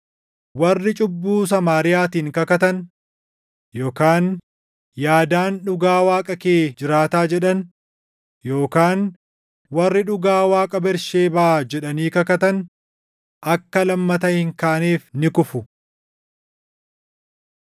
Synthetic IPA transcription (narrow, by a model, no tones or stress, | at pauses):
wɐrːɪt͡ʃʼʊbːuːs̬ɐmaːɾɪjaːt̪iːŋkɐkɐt̪ɐn | jo̞ːkaːn | jaːd̪aːnᶑʊɡaːwaːkʼɐkeːd͡ʒɪɾaːt̪aːd͡ʒɛᶑɐn | joːkaːn | wɐrːɪᶑʊɡaːwaːkʼɐbɛɾʃeːbɐʔad͡ʒɛᶑɐniːkɐkɐt̪ɐn | ʔɐkːɐlɐmːɐt̪ɐhɪŋkaːniːfnɪkʊfʊ